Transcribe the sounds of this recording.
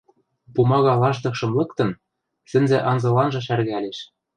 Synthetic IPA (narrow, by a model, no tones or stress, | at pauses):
pumɑɣɑlɑʒd̪ɤ̆kʃɤ̆mlɤ̆kt̪ɤ̆n | sɘ̆nzĕʔɑnzɤ̆lɑnʒɤ̆ʃærɣæleʃ